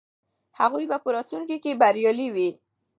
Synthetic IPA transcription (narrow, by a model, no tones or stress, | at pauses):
haɣujbapəɾɑt̪luŋkikebaɾjɑliwi